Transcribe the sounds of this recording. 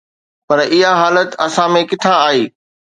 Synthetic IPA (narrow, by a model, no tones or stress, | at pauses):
pɐɾɪɦaɦaːlət̪ɐsãmẽkɪt̪ʰaaːɦeː